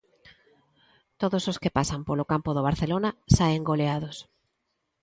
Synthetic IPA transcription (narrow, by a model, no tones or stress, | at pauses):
t̪oðososkɪpasampolokampoðoβ̞aɾθelonasaeŋɡoleað̞os